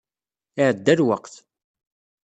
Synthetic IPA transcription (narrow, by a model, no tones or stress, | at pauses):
ɪʕəd̪ːælwəqθ